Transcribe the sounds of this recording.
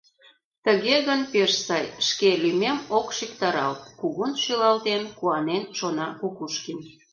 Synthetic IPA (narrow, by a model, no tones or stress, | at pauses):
t̪əɣeɣənpeʃsɑjʃkelymemokʃikt̪ɑɾɑlt̪kuɣunʃylɑlt̪enkuɑnenʃonɑkukuʃkin